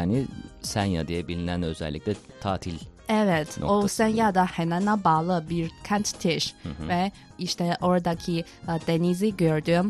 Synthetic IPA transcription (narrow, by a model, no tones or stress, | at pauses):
anisænja̰d̪ijɛbilʲinænøzɛ̰lʲːḭc̚ʲlʲɛt̪ʰaːt̪ʰilʲɛvɛt̪ʰosɛnjad̪ahenanabaːlˠɯbiɾcʰɛnt̪t̪ʰeʃvɛ | iʃt̪ʰɛʔo̞ɾd̪acʰi | d̪eniziɟøɾd̪yjm